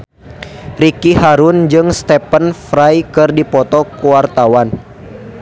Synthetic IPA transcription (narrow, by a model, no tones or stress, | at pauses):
rikihaɾund͡ʒɨŋst̪ɛpənfɾajkɨrdipɔt̪ɔkuwart̪awan